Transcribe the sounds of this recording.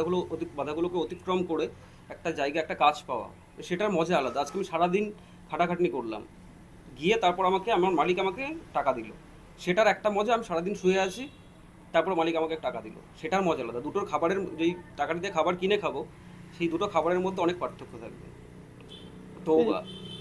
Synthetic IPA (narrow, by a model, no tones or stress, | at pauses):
aɡulooibad̪ʱaɡulokeot̪ikːɾomkoɽe | ɛk̚ʈad͡ʑajɡaɛk̚ʈakat͡ɕpaoa̰ | ʃeʈaɾmɔd͡ʑaalad̪aad͡ʑkeamiʃaɽad̪in | kʰaʈakʰaʈnikoɾla̰m | ɡiet̪aɾpɔɾamakeamaɾmalikamakeʈakad̪ilo | ʃeʈaɾɛk̚ʈamɔd͡ʑaamiʃaɽad̪inʃueat͡ɕʰi | t̪aɾpɔɾemalikamakeʈakad̪ilo̰ʃeʈaɾmɔd͡ʑaalad̪ad̪uʈokʰabaɾeɾd͡ʑejʈakaʈit̪ekʰabaɾkinekʰabo | ʃejd̪uʈokʰabaɾeɾmod̪ʱːeɔnek̚pɾaɾt̪ʰːokʰːot̪ʰa̰k̚bḛ | ʈoɡa̰